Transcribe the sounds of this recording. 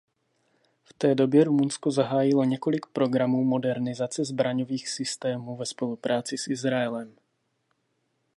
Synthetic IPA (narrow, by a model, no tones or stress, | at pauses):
ft̪ɛːdo̞bjɛɾumunsko̞zaɦaːjɪlo̞ɲɛko̞lɪkpɾo̞ɡɾamuːmo̞dɛɾnɪzat͡sɛzbɾaɲo̞viːxsɪst̪ɛːmuːvɛspo̞lupɾʔaːt͡sɪsʔɪzɾaɛlɛm